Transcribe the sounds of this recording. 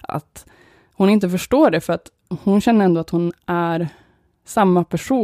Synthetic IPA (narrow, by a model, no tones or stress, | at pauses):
ʔa̰t̪ | hʊnɪnt̪̬əfœʂʈoːɖɛfœɾat̪ | hʊnɕɛnːəɾɛnd̪oːat̪hʊnæɾ | samːapʰæʂuː